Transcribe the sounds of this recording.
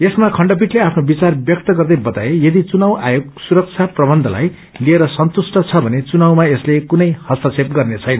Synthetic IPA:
esmakʰʌɳɖʌp̬iʈleapʰnobit͡sarbjʌk̚t̪ʌɡʌrd̪ʌjbʌt̪aejʌd̪it͡sunawʔa̰joɡsuɾʌk̚t͡sʰaprʌbʌnd̪ʱʌ̰la̰j | lieɾʌsʌnt̪usʈʌt͡sʰʌbʱʌnet͡sunawmaeslekunʌjhʌsʌsep̚ɡʌrnet͡sʰʌjnʌ

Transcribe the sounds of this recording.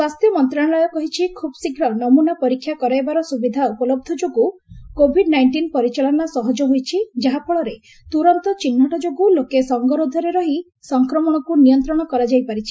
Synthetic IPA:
swast̪jɔmɔnt̪ɾaɽ̃lɔjɔkɔɦit͡ʃʰikʰubɔsiɡʱɾɔnɔmunapɔɾikʰːjakɔɾajbaɾɔsubid̪ʱaupɔlɔb̚d̪ʱɔd͡ʒoɡukobʱiɖnajɳʈinpɔɾit͡ʃalɔnasɔɦɔd͡ʒɔɦojt͡ʃʰid͡ʒaɦapʰɔɭɔɾe | t̪uɾɔnt̪ɔt͡ʃinːɔʈɔd͡ʒoɡulokesɔŋɡɔɾod̪ʱɔɾeɾɔɦi | sɔŋkɾɔmɔɽ̃ɔkunijɔnt̪ɾɔɽ̃ɔkɔɾad͡ʒajpaɾit͡ʃʰi̥

